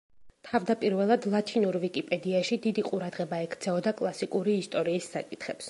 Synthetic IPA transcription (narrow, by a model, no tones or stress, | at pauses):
t̪ʰavd̪apʼiɾvɛlˠad̪lˠat̪ʰinuɾvikʼipʼɛd̪iaʃid̪id̪iqʼuɾad̪ʁɛbaɛkʰt̪sʰɛɔd̪akʼlˠasikʼuɾiːst̪ʼɔɾiːsːa̰kʼit̪ʰχɛps